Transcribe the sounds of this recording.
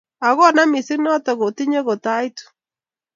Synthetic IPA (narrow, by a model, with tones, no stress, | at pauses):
a˨ɣɔ˦na˦mi˨si˦nɔ˦tɔ˨ɣo˨ti˦ɲe˦ɣo˨ta˦i˦tu̥˨